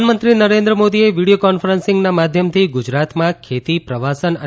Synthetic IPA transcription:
nmənt̪ɾinəɾẽnd̪ɾəmod̪ieʋiɽijokɔnfəɾənsɪ̃ŋɡnamad̪ʱjəmt̪ʰiɡʊd͡ʒɾat̪mãkʰet̪ipɾəʋasənə

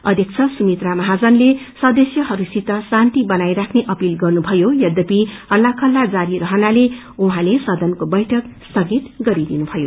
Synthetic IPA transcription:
ʌd̪ʱjʌk̚t͡sʰʌsumit̪ramʌɦad͡zʌnlesʌd̪ʌsjʌɦʌɾusit̪ʌsãnt̪ibʌnajɾakʰneʔʌpilɡʌrnubʱʌjojʌd̪ʌpihʌlːakʰʌlːad͡zaɾiɾʌɦʌnale | uɦãlesʌd̪ʌnkobʌjʈʰʌkst̪ʌɡit̪ɡʌɾid̪inubʱʌjo

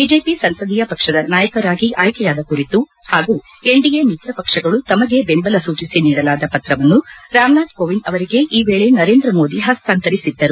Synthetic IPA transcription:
biːd͡ʒe̞ːpisɐnsɐd̪ijɐpɐkʂɐd̪ɐnaːjɐkɐɾaːɡiʔaːjkɛjaːd̪ɐkuɾit̪u | haːɡuː | e̞ɳɖijemit̪ɾɐpɐkʂɐɡɐɭut̪ɐmɐɡe̞bembɐlɐsuːt͡ʃisiniːɽɐlaːd̪ɐpɐt̪ɾɐʋɐnːuɾaːmnaːt̪koːʋinɐʋɐɾiɡe̞ʔiːʋeːɭenɐɾeːnd̪ɾɐmo̞ːd̪iɦɐst̪ʰant̪ɐɾisid̪ːɐɾu

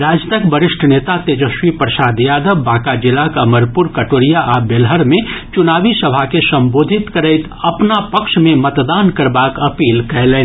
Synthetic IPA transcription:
ɾaːd͡ʒt̪əkbəɾɪʃʈʰənet̪at̪ed͡ʒəʃwipɾəsaːd̪jaːd̪əʋːãːkad͡ʒɪlakɐməɾpuɾkəʈoːɾijaʔabelɦəɾmẽt͡ʃʊnaːbisəbʱakesə̃mboːd̪ʱit̪kəɾəɪt̪ | ɐpnapəkʃmẽmət̪d̪aːnkəɾbakəpiːlkɛɦlen

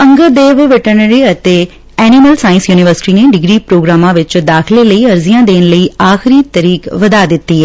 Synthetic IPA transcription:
ɐ̃ŋɡəd̪eːʋʋɪʈənəɾiɐt̪e | ɛːnɪməlsaːɪ̃nsjuːnɪʋəɾsɪ̥ʈineɖɪɡɾipɾoːɡɾaːmãʋɪt͡ʃd̪aːxɪleləiɐɾzijãd̪eːnləiaːxɪɾit̪ɐɾiːkʋɐd̪ad̪ɪt̪ːiɦɛ

